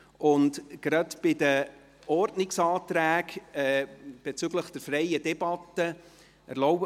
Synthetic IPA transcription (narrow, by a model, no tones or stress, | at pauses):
ʊntɡ̥ɾɑtb̥ɪdə | ɔrtnɪksɑːtɾæːkɛːb̥ɛt͡syɡləχd̥ɛɾfɾɛjədɛbɑt̪ə | ə̰ɾlɔʊ